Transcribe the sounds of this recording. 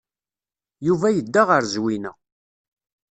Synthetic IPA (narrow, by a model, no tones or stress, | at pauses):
juvæjəd̪ːaʁəɾzwinə̰